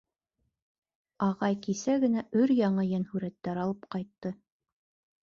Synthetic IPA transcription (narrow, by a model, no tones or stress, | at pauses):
ɑʁɑjkisæɡɘ̆næʔɵɾjɑɴɤjænhʉɾæt̪ːæɾɑlˠɤpqɑjt̪ːɤ